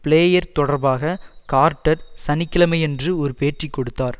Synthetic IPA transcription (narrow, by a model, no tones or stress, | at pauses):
pɪɭeːjɐɾt̪ɔɽɐɾbaːɣɐkaːɾʈːɐɾsɐnɪkːɪlɐmɐɪɛndrɯɔɾɯpeːʈrikːɔɽɯt̪ːaːɾ